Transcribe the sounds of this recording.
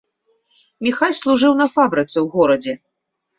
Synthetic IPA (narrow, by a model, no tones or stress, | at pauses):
mʲixalʲslˠuʐɨwnɐfabɾɨt̪sɛwɣɔɾɐd͡zʲɛ